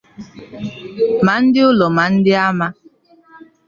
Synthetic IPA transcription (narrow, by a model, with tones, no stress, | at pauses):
ma˨˦n̩˦dɪ˦ʊ˦lɔ˨ma˨n̩˦dɪ˦a˦ma˦